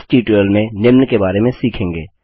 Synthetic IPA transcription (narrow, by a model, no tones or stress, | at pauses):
sʈiːʈəlmẽnɪmnkebaːɾemẽsiːkʰẽːŋɡeː